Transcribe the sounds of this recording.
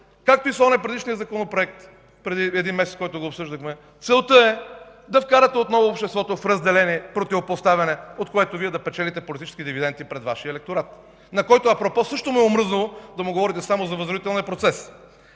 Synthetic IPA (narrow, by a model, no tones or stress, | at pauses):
kak̚t̪oisˠɔnɛpɾɛd̪iʃnijəzɐkonopɾoɛk̚t̪ | pɾɛd̪iɛd̪inmɛsɛt̪kɔjt̪ʊɡoːpsɤʒd̪əxmɛ | t̪sɛlˠt̪ɤɛ | d̪ɐfkaɾɐt̪ɛot̪nɔvoːpʃt̪ɛst̪vɔt̪ofɾɐzd̪ɛlɛniɛpɾot̪ivopost̪avɐnɛot̪koɛt̪oviɛd̪ɐpɛt͡ʃɛlit̪ɛpolit̪it͡ʃɛ̥skid̪ivid̪ɛnt̪ipɾɛd̪vaʃiəɛlɛk̚t̪oɾat̪ | nɐkɔjt̪oɐpɾopɔsɤʃt̪omiɛomɾɤznulˠod̪ɐmʊɡovɔɾit̪ɛsamozɐvəzɾod̪it̪ɛlniəpɾot̪sɛs